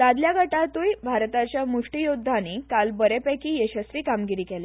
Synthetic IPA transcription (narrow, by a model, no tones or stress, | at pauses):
d̪ad̪ljaɡʱəʈat̪uːjbʱaɾt̪at͡ɕjamuʂʈijod̪ʱːanikalbəɾepekiːjeɕəsɾiːkamɡiɾiːkele